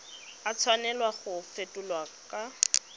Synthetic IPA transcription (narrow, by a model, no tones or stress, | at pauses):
at͡sʰwanɛlwaχʊfetʼʊlwakʼa